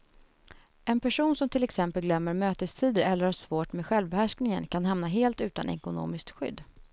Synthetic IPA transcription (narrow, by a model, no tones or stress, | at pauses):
ɛnpʰæʂuːnsɔmt̪ʰɪlɛksɛmpəlɡlœmːəɾmøːt̪əst̪ʰiːd̪əɾɛlːəɾhaʂvoːʈmeːɧɛlvbɛhæʂknɪŋə̰nkʰanɦamnaɦeːlt̪ʉ̟ːt̪a̰nʔɛ̰kʊno̰ːmɪsk̚t̪ɧʏ̰d̪ː